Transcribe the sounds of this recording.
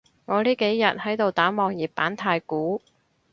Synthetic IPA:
ŋɔː˨˧liː˥ke˨˥jjɐ˨t̚hɐ˨˥jt̪o˨wt̪aː˨˥mɔː˨ŋjiː˨p̚pːaː˨˥nt̪ʰaː˧jkuː˨˥

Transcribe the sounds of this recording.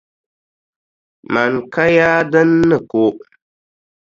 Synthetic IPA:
ma˨nka˦jaː˦dɨ˦nːɨ˨ko˦

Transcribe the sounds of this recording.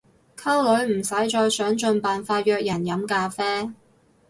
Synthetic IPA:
kʰɐ˥wlɵ˨˥ɥm̩˨˩sɐ˨˥jt͡ʃɔː˧jsœː˨˥ŋt͡ʃɵ˧npaː˨nfaː˧t̚jœː˧k̚jɐ˨˩njɐ˨˥mkaː˧fɛː˥

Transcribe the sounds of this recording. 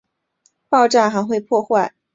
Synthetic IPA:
pɑ˥˧ʊʈ͡ʂa˥˩xa˧˥ɪxwe˥˧ɪpʰwɔ˥˧xwa˥˩ɪ

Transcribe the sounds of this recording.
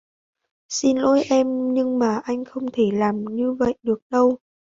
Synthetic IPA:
si˧nlo˧jʔɛ˧mɲɨ˧ŋmaː˨˩ʔa˧jŋ̟xə˧wŋ͡mt̪ʰe˧˩laː˨˩mɲɨ˧və̰˧˨jɗɨ˨˩ək̚ɗə˧w

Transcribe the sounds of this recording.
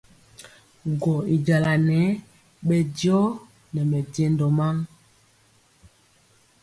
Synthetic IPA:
ɡɔ˨i˨d͡ʒa˨la˨nɛ˨˦ | ɓɛ˨djɔ˦ | nɛ˨mɛ˨de˦ndɔ˨ma˦ŋ

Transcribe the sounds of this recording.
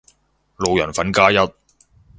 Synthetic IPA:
lo˨wjɐ˨˩nfɐ˨˥nkaː˥jɐ˥t̚

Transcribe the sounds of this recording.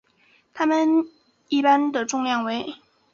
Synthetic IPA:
t̪ʰa˥mə˨n | i˥˩pa˥nd̪ə˨ʈ͡ʂʊ˥˧ŋjɑ˥˩ŋwe˧˥ɪ

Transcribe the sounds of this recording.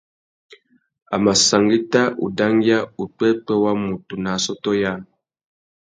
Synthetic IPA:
a̰˨ma˨sa˨ŋɡi˦ta˦ʔṵ˨da˦ŋɡja˦u˨k͡pɛ˦pə˦wa˦mu˨tu˨na˨sɔ˦tɔ˦ja˦˨

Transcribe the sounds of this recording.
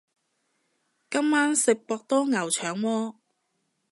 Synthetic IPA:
kɐ˥mːaː˥nsɪ˨k̚pɔː˧k̚t̪ɔː˥ŋɐ˨˩wt͡ʃʰœː˨˩ŋwɔː˧

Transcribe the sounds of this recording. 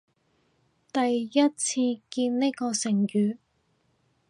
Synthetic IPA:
t̪ɐ˨jjɐ˥t̚t͡sʰiː˧kiː˧nne˥jkɔː˧sɪ˨˩ŋjyː˨˧

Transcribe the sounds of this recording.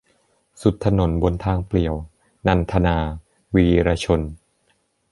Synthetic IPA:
su˨˩t̪ʰːa˧no˩˦nbo˧nt̪ʰaː˧ŋpli˨˩əw | na˧nt̪ʰa˧naː˧ | wiː˧ɾaː˧t͡ɕʰo˧n

